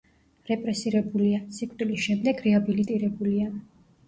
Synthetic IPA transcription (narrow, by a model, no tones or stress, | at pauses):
ɾɛpʼɾɛsiɾɛbuliasikʼt̪ʼilisʃɛmd̪ɛɡɾɛabilit̪ʼiɾɛbulia